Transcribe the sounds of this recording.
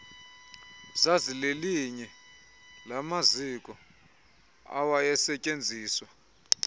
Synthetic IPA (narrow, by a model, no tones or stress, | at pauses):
zazileliɲɛ | lamazikʼɔ | a̰wajɛsɛcʼend͡zʱiːswa